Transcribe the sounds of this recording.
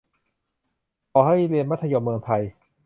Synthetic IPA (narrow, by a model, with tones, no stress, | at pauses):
kʰɔː˨˩ha˥˩jleː˧nma˦˥t̪ʰːa˧joː˧mːɯ˧əŋt̪ʰa˧j